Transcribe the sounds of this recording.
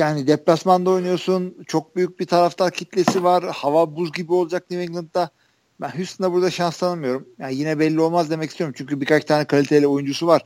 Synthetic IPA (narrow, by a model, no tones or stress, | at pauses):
jaːnid̪eplʲasmand̪aojnujo̞sunt͡ʃʰo̞k̚byjyc̚bit̪ʰaɾaft̪ʰaɾcʰit̪lʲe̞sivaɾhavabuzɟibiolˠd͡ʒak̚niviŋɡlˠɯnt̪ːa | bænɦysst̪ind̪abuɾd̪aʃanslˠanamɯjo̞ɾumjaːnjinɛbɛlʲːio̞lˠmazd̪emɛc̬ist̪ijo̞ɾumt͡ʃʰyɲcybikat͡ʃt̪ʰaːnɛkʰalʲit̪ʰelʲɛo̞jund͡ʒusuvaɾ̥